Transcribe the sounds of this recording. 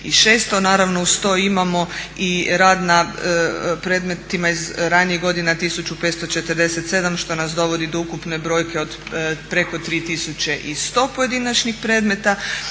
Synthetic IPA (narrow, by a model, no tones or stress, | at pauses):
iʃe̞ːst̪o̞naːɾaʋno̞ust̪o̞ːimamo̞iɾaːd̪na | pɾe̞ːd̪me̞t̪imaizɾaniiɣɡo̞d̪inat̪isut͡ʃupe̞t̪st̪o̞t͡ʃet̪əɾd̪e̞se̞t̪se̞d̪amʃt̪o̞nasd̪o̞ʋo̞d̪id̪oukupne̞bɾo̞jke̞o̞d̪pɾe̞ko̞t̪ɾiːt̪isut͡ʃt͡ɕe̞ʔist̪o̞ːpoje̞d̪inat͡ʃnixpɾe̞d̪me̞t̪a